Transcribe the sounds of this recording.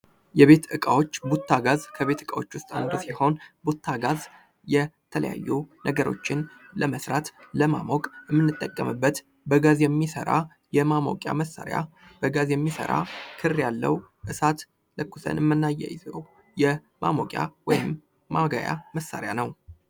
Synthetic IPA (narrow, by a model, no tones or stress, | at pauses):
jɛβe̞t̪ɨkʼawo̞t͡ʃːbut̪ʰːaɡazkʰəβe̞t̪ɨkʼawo̞t͡ʃːwʊst̪ʼa̰nd̪osiho̞nbut̪ʰːaɡaz | jɛt̪ʰələ̰ja̰jːunʔəɡəɾo̞t͡ʃːɪnləməsɾat̪ləma̰mokʼɨmːɨnːɨt̪ʼːəkʼːəmɨbːət̪ | bəɡazjɛmːisə̰ɾa̰ | jɛmamo̰kʼja̰məsːa̰ɾja̰ | bəɡazjɛmːisə̰ɾa̰kʰɨrjalːə̰w | ʔɨsat̪ | ləkːusʰə̰nɨmːɨnːajːɛ̰jɪzə̰w | jɛ | mʔa̰mokʼja̰wɔjɪmː | aɡaja̰məsːa̰ɾjanəw